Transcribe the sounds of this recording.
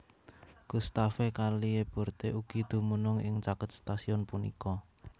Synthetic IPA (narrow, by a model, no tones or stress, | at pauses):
kust̪afekalieb̥ɔ̤rt̪eʔuɡ̥i̤d̪̥ṳmunʊŋɪ̰ŋt͡ʃakət̪̚st̪asiɔnpunḭkɔ